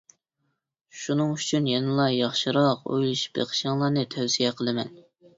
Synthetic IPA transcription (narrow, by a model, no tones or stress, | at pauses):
ʃunɨŋyt͡ʃʰynjenɨlˠɑjɑχʃɨɾɑqo̰jlˠuʃbḛqʰə̥ʃɨŋlˠɑnɨt̪ʰæwsijɛqʰəlˠɨmɛ̰n